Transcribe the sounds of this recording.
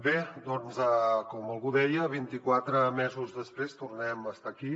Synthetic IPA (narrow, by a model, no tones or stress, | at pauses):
bed̪ɔnzəkɔməlˠɣuðɛjəβ̞int̪ikwat̪ɾəmɛzuzðəspɾest̪urnɛməst̪aki